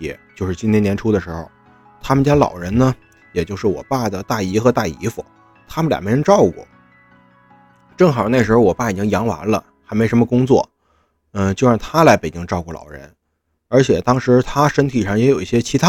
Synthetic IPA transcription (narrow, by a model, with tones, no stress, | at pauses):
jɛ̰˨˩t͡ɕjo˥˧ʊʂɻ̩˥˩t͡ɕi˥nt̪ʰjɛ˥njɛ˧˥nʈ͡ʂʰu˥d̪ə˨˩ʂɻ̩˧˥xɔ˨˩ʊ | t̪ʰa˥mə˨nt͡ɕjɑ˥ŋlɑ̰˨˩ʊɻə˧˥nnə˧ | jɛ˨˩t͡ɕjo˥˧ʂɻ̩˥˩wɔ̰˨˩pa˥˩d̪ə˩t̪a˥˩i˧˥xɤ˧˥t̪a˥˩i˧˥fṵ˨˩ | t̪ʰa˥mə˨nlj̰me˧˥ə˧˥nʈ͡ʂɑ˥˧ʊkwɔ̰˥˩ | ʈ͡ʂɤ˥˩ŋxna˥˩ʂɻ̩˧˥xwɔ˨˩pa˥˩i˨˩t͡ɕi˥ŋjɑ˧˥ŋwa̰˧˥nlə̰˧ | xa˧˥ɪme˧˥ʂə˧˥mə˧kʊ˥ŋt͡swɔ˥˩ | ə˧t͡ɕjo˥˧ʊɻɑ˥˩ŋt̪ʰa˥la˧˥ɪpe˨˩ɪt͡ɕi˥ŋʈ͡ʂɑ˥˧ʊkwɔ˥˩lɑ̰˨˩ʊɻə̰˧˥n | ə˞˧˥t͡ɕʰjɛ˨˩t̪ɑ˥ŋʂɻ̩˧˥t̪ʰa˥ʂə˥nt̪ʰi˨˩ʂɑ˥˩ŋjɛ˧˥jo˨˩ʊi˥˩ɕjɛ˥t͡ɕʰi˧˥a˥